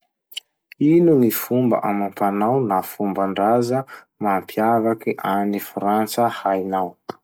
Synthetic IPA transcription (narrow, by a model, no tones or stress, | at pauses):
inunifumba̰ʔamampanawnafumbaɳɖ͡ʐazə | mampʰjavakiʔanifɾant͡səhajnaw